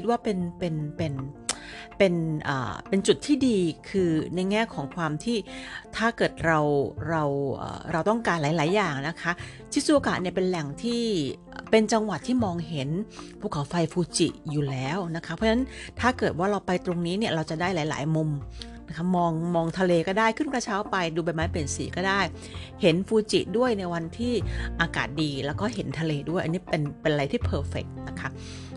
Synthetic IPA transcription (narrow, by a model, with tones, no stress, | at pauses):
i˦t̪̚waː˥˩pe˧npe˧npe˧n | pe˧nʔa̰ː˨˩pe˧nt͡ɕu˨˩t̪ʰːiː˥˩diː˧kʰɯː˧na˧jŋɛː˥˩kʰɔː˩˦ŋkʰwaː˧mt̪ʰiː˥˩t̪ʰaː˥˩kɤː˨˩t̪̚ɾa˧wɾa˧wʔə̰ː˨˩ɾa˧wt̪ɔ˥˩ŋkaː˧nlaː˩˦jlaː˩˦jːaː˨˩ŋna˦˥kʰa˦˥ | t͡ɕʰi˥˩suː˧˥˩ʔo˧kaː˨˩t̪̚ni˥˩ɐpe˧nlɛ˨˩ŋt̪ʰiː˥˩ʔpe˧nt͡ɕa˧ŋwa˨˩t̪ʰːiː˥˩mɔː˧ŋɦe˩˦npʰuː˥˩kʰːa˩˦wfa˧jfʰuː˧t͡ɕḭ˨˩juː˨˩lɛː˦˥wna˦˥kʰa˦˥pʰɔ˦˥na˦˥nt̪ʰaː˥˩kɤː˨˩t̪̚waː˥˩ɾa˧wpa˧jt̪ɾo˧ŋniː˦˥ni˥˩ɾa˧wt͡ɕa˨˩daː˥˩jlaː˩˦jla̰ː˩˦jmo˧m | na˦˥kʰa˦˥mɔː˧ŋmɔː˧ŋt̪ʰa˧leː˧kɔː˥˩daː˥˩jkʰɯ˥˩nkaː˧˥˩t͡ɕʰaː˦˥wpa˧jduː˧ba˧jmaː˦˥pe˨˩nsiː˨˩˦kɔː˥˩daː˥˩j | he˩˦nfuː˧t͡ɕḭ˨˩ʔdu˥˩əjna˧jwa˧nt̪ʰiː˥˩ʔaː˧ka̰ː˨˩t̪̚diː˧lɛː˦˥wkɔː˥˩ɦe˩˦nt̪ʰa˧leː˧du˥˩jʔniː˦˥pe˧npe˧nʔɾa˧jt̪ʰiː˥˩pʰɤː˧˩fe˨˩k̚na˦˥kʰa˦˥